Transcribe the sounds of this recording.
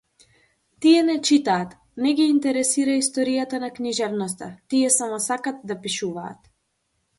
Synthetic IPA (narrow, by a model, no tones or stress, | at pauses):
t̪iɛnɛt͡ʃit̪aːt̪ | nɛɡʲiːnt̪ɛɾɛsiɾaist̪ɔɾijat̪anakniʒɛvnɔst̪at̪iɛsamɔsakat̪d̪apiʃuva̰ːt̪